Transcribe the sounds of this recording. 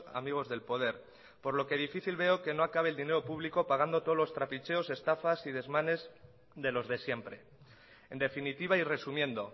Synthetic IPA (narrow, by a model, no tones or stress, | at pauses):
a̰miɣ̞o̞zðe̞lpo̞ð̞e̞ɾ | po̞ɾlo̞ke̞ð̞ifiθilβe̞o̞ke̞no̞akaβ̞eld̪ine̞ɾo̞puβ̞liko̞paɣ̞and̪o̞t̪oolo̞st̪ɾapit͡ʃe̞o̞sest̪afasið̞e̞zmãne̞z | ðe̞lo̞zðe̞sje̞mpɾe̞ | end̪e̞finit̪iβ̞aire̞sumjẽ̞nd̪o̞